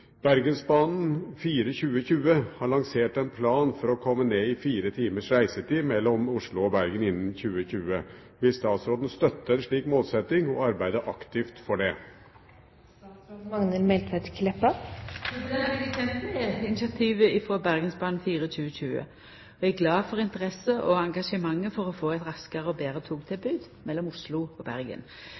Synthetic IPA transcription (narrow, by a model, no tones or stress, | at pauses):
b̥æɾɡənsbɑːnn̩fiːɾəçʉːəçʉːəhɑɭɑŋseːʈɛnpʰlɑːnfɔɾɔkʰɔmːəneːɪfiːɾət̪ʰiːməʂɾæɪsət̪iːmɛlːɔmʊʂɭʊɔbæɾɡənɪnːənçʉːəçʉːəʋɪlst̪ɑːt̪sɾoːd̪n̩st̪œt̪ːəɛnʂɭiːkmoːlsɛt̪ɪŋɔɑɾbæɪd̪əʔɑkt̪ɪft̪fɔɖɛ | mɑŋnəlmɛlt̪ɛt̪kʰlɛpɑ | ɛɑɛɡət̪ʰɛnt̪mɛæɪnɪsɑt̪ʰiːʋəɪfʁoːbæʁɡənsbɑːnfiːɾəc͡çʉːəçʉːə̰ | ɔææɡlɑːfɔʁɪnt̪əʁɛsəʔɔɑŋɡɑʂəmɑŋːəfɔʁɔfoːæɪt̪ʁɑskəʁəɔbeːɾət̪ʰuːɡt̪ʰɪlbʉːd̪ | mɛlːɔmʊʂlʊɔbæʁɡə̰n